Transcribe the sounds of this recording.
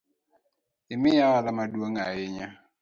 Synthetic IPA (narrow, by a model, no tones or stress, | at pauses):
ɪmɪjawalamadwoŋaɪɲa